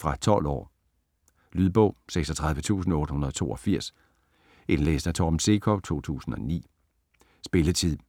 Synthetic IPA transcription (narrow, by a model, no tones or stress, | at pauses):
fʁɑ̈t͡sʰɒ̽l̰ɒ̰ː | lyð̞ˠb̥ɔ̽ʊ̰seɡ̥sɒ̽t͡sʰʁɑ̈ð̞ˠʋət͡sʰṵːsn̩ɔ̽ːɾəhunɐð̞ˠt͡sʰo̝̰ːɒ̽fiɐ̰s | e̝nlḛːsn̩æt͡sʰɒbn̩se̝kʰɒ̽ʊt͡sʰo̝̰ːt͡sʰṵːsn̩ɒ̽nḭː | sb̥e̝lət͡sʰið̰ˠ